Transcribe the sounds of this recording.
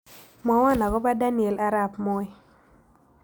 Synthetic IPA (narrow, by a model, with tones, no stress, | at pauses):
mɔ˨˦wa˦˨na˨kɔ˦ba˦da˦nɪ˨e˨la˦ɾa˦˨pmo˦ɛ˦